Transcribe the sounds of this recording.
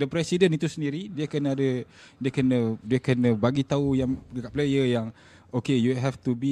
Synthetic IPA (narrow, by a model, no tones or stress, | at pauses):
dəpɾɛsidənit̪usəndiɾidiəkənəadə | diəkənədiəkənə̃baɡit̪aujaŋdəkaʔplejəjaŋ | okejuɦɛft̪ubi